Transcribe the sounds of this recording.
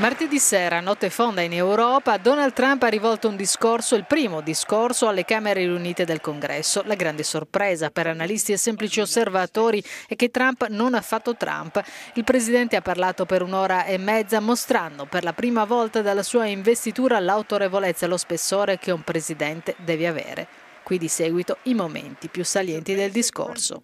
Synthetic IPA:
mart̪id̪isɛːɾanɔt̪ːefond̪ainewɾɔːpad̪ɔnald̪̚t̪ːɾamparivɔlt̪ound̪iskorsoilpɾiːmod̪iskorsoalːekaːmeɾeuniːt̪ed̪elkoŋɡɾɛ̰sːolaɡɾand̪esorpɾɛːzapeɾanalist̪iɛsːɛmplit͡ʃiosːervat̪ɔːɾiɛk̟ːet̪ːɾampnonafːat̪ːot̪ɾa̰mpilpɾezid̪ɛnt̪eapːarlaːt̪opeɾunɔːɾaʔemːɛd̪zːamost̪ɾanːd̪operlapɾiːmavɔlt̪ad̪elːasuːaiɱvest̪it̪uːɾalawt̪oɾevolet̪sːalːospesːoːɾek̟eumpɾezid̪ɛnt̪ed̪ɛːveavɛ̰ːɾḛ | kwid̪isɛːɡwit̪oimomḛnt̪ipjusaljɛnt̪id̪eld̪isko̰rso̰

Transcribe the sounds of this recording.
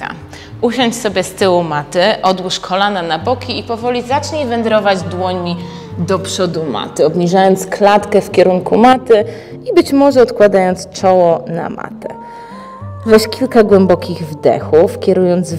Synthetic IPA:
a̰ | uɕɔɲt͡ɕsɔbʲjɛst̪ɘwumat̪ɘʔɔd̪wuʂkʰɔlananabɔkʲiːpɔvɔlʲizat͡ʂɲevɛnd̪ɾɔvad͡ʑd̪wɔɲi | d̪ɔpʂɔd̪uma̰t̪ɘɔbɲiʐajɔnt̪sklat̪kɛfkʲɛɾuŋkumat̪ɘ | ibɘt͡ɕmɔʐɛɔt̪kwad̪ajɔnt̪st͡ʂɔwɔna̰ma̰t̪ɛ̰ | vɛɕkʲilkaɡwɛmbɔkʲiɣvd̪ɛ̰xufkʲɛɾujɔnd̪z

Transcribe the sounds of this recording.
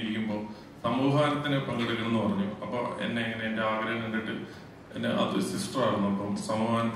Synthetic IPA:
ɾikʲːumbo̞ː | sɐmuːɦaːɾɐt̪ːinepɐŋɡɐɽikʲːunːɨpɐrɐɲːuɐpːo̰ːḛnːe̞ɐŋːɐneːnde̞aːɡɾɐːɦɐŋɐŋɡɐʈːɨ | enːḛʔɐ̰ðusisʈɐraːɽunːuɐpːosɐmːaːnɐt̪ː

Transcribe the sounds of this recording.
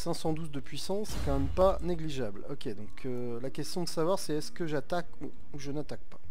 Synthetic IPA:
sɛ̃sɑ̃d̪uzd̪əpɥisɑ̃ɛkɑ̃mɛmpaneɡliʒablɔkʲed̪ɔ̃kʰø | lakʲɛst̪jɔ̃d̪əsavwaʁsɛɛskəʒat̪aku | uʒənat̪ak̚pa

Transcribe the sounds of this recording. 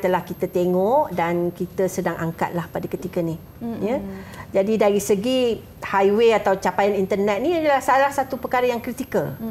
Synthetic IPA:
t̪əlahkit̪ət̪eŋɔʔdankit̪əsədaŋʔaŋka̰t̪̚lahpadakət̪ikənih | jəd͡ʒadidaɾisəɡi | hajweat̪awt͡ʃapajanint̪ərnɛt̪̚nĩadəlahsalahsat̪upəkaɾəjaŋkɾit̪ikəl

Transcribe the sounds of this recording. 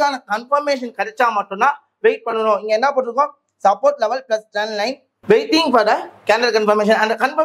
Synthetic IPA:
aːnɐkɐnfɐɾmeːʂ̬ɐnkɐɽɛt͡ʃːaːmaːʈːɯ̃nːaː | ʋeɪʈ̚pɐɳːɐnõɪŋɡeɛnːaːpoːʈːɪɾɯkːõː | sɐpːoːɾʈlɛʋɐlplɐsʈɾɛnlɐɪn | ʋeɪt̪ɪ̃ŋɡfɐːɾd̪ɐkæːɳɖɐlkɐnfɐɾmeːʂ̬ɐ̃nɐ̃nd̪ɐkɐnfɐ

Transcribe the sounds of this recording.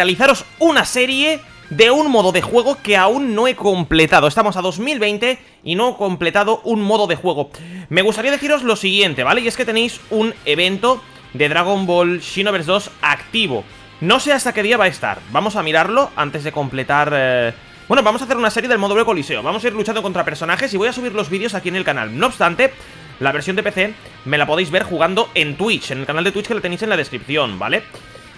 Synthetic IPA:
aliθaɾo̞sunase̞ɾje̞ | ðe̞unmo̞ðo̞ðexwe̞ɣ̞o̞keaunːo̞e̞ko̞mple̞t̪að̞oe̞st̪amo̞saðo̞zmilβe̞jnt̪e̞ | ino̞eko̞mple̞t̪aðoʔunmoðo̞ðe̞xwe̞ɣ̞o̞me̞ɣ̞ust̪aɾiaðe̞θiɾo̞zlo̞siɣje̞nt̪e̞βale̞ie̞sket̪e̞ne̞jsune̞βe̞nt̪o̞ | d̪e̞ðɾaɣ̞ombolʃinoβeɾzðo̞sakt̪iβ̞o̞̰ | no̞se̞ast̪ake̞ðiaβaest̪a̰ɾbamo̞samiɾaɾlo̞a̰nt̪e̞zðe̞ko̞mple̞t̪aɾ | bwe̞noβamosaθeɾunaseɾje̞ðelmo̞ðoekolise̞oβamos̬aiɾlut͡ʃand̪oko̞nt̪ɾapeɾso̞naxe̞siβo̞jasuβ̞iɾlo̞zβiðo̞sakiene̞lkana̰lno̞oːpst̪ant̪e̞ | laβeɾsjond̪epe̞θe̞ | me̞lapoð̞e̞jzβeɾxuɣ̞and̪o̞e̞nt̪wit͡ʃenelkanald̪et̪wit͡ʃke̞lat̪enejse̞nlaðe̞skɾip̚θjo̞nba̰le̞

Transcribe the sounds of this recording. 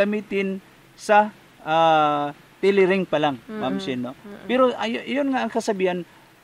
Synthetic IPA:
ɐmiːt̪ɪn | sɐ | a | t̪ɪlɪɾɪŋpɐlaŋmamsɪnːopɛɾoʔajjonŋaʔɐŋkɐsɐbiːhan

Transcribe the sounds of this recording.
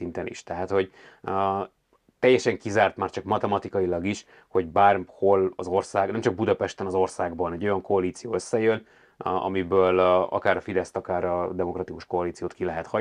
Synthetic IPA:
int̪ɛnḭʃt̪ɛɦat̪ho̞ɟ | t̪ɛjːɛʃɛŋkizaːrt̪maːrt͡ʃɒkmɒt̪ɛmɒt̪ikɒjilɒɡiʃ | ho̞ɟbaːrho̞lɒzo̞rsaːɡnɛmt͡ʃɒɡ̚bud̪ɒpɛʃt̪ɛnɒzo̞rsaːɡbɒnɛɟo̞jɒŋko̞ɒliːt̪sijoːøsːɛjøn | ɒ̰mibøːlɒ̰kaːɾɒfid̪ɛst̪ɒkaːɾɒd̪ɛmo̞krɒt̪ikuʃko̞ːliːt̪sijoːt̪kilɛɦɛt̪hɒ

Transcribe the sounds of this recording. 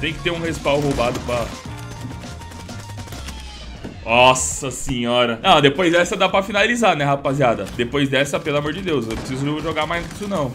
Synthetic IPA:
t̪ẽj̃kɪ̥t̪eɾũhespawɦowbad̪ʊpɾɐ | ɔsɐsẽɲɔɾɐnɐ̃w̃d̪epojzd̪ɛsɐd̪apɾɐfinalizanɛɦapaziad̪ɐd̪epojzd̪ɛsɐpelɐmoɾd͡ʒɪd̪ewsew̃pɾɪsizʊʒoɡaɾmajznʊki̥sʊnɐ̃w̃

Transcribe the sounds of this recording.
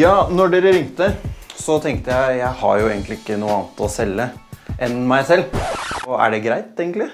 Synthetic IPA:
jɑːnɔɖeːɾəɾɪŋt̪əsɔt̪ʰɛŋk̚t̪əjæɪjæɪhɑ̰ɾjʊeːɡən̩k̪lɪɪkːənuːəɑːnt̪ɔsɛlːəʔɛnmæɪsɛlː | æ̰ɖɛɡɾæɪt̪eːɡən̩lɪ

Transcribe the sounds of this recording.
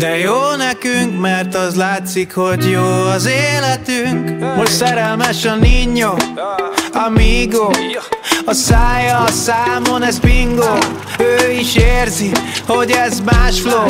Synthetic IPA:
d̪ɛjoːnɛkyŋkmɛrt̪ɒzlaːt̪sikhoɟjoːɒzeːlɛt̪yŋkmoʃt̪sɛɾɛlmɛʃɒniɲːo | ɒmiɡo | ɒsaːjɒsaːmonɛzpiŋɡo | øːiʃeːrziho̞ɟɛzmaːʃfloː

